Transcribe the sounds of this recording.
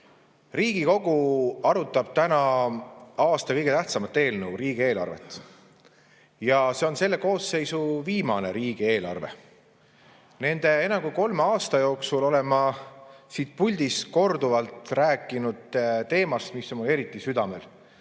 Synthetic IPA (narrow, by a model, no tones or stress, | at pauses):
riːɡiko̞ɡuɑɾut̪ːˑɑb̥̚t̪ænɑ | ɑːst̪ɑkɤjɡ̥et̪æht̪sɑmɑt̪ːˑe̞ːlnəwriːɡ̥ie̞ːlɑ̰rve̞̰t̪ːˑ | jɑse̞o̞nse̞lːe̞ko̞ːsːe̞jsuviːmɑne̞ɾiːɡ̥ie̞ːlɑ̰rve̞̰ | ne̞nd̪̥e̞enɑɡuko̞lmeɑːst̪ɑjo̞ːksulo̞le̞mɑsiːt̪̚pulʲd̪̥isko̞rd̪uvɑlt̪ræːkːˑinud̪̥t̪e̞ːmɑst̪misːomule̞ɾit̪ːˑisyd̪̥ɑme̞l